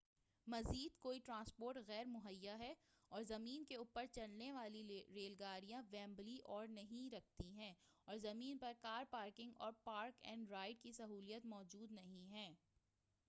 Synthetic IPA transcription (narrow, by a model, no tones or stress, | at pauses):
mɐziːd̪koːiʈɾãːnspoːɾʈɣɛːɾmʊɦəjːaɦɛ | ɔːɾzɐmiːnkeuːpəɾt͡ʃɐɽneʋaːliɾeːlɡaːɾijãʋɛ̃ːmbliʔɔːɾnɐɦĩɾɐk̚ʰt̪iɦɛ̃ː | ɔːɾzɐmiːnpɐɾkaːɾpaːɾkɪ̃ŋɡɔ̰ːɾpaːɾkɛ̰̃ːɳɖɾaːɪɖ̚kisɐɦuːlijət̪mɔːd͡ʒuːd̪nɐɦĩɦɛ̃ː